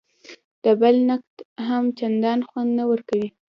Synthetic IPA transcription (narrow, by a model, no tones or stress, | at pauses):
d̪̥əbalnakt̪ɦamt͡ʃand̪ɑnxwand̪nawəɾkawi